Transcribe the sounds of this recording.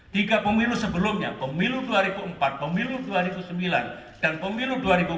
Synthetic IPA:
t̪iɡapəmilusəbəlʊmɲapəmiluduaɾibuəmpat̪̚pəmiluduaɾibusəmbilan | d̥anpəmiluduaɾibu

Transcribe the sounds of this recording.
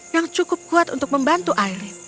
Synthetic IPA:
jaŋt͡ʃukʊp̚kuat̪unt̪ʊk̚məmbant̪uʔair

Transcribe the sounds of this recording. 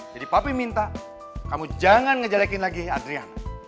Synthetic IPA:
d͡ʒadipapimint̪a | kamud͡ʒaŋanŋəd͡ʒalakinlaɡiadɾia̰n

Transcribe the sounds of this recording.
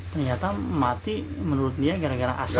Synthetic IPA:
t̪ərɲat̪amat̪imənuɾʊt̪̚diaɡaɾaɡaɾaʔa̰s

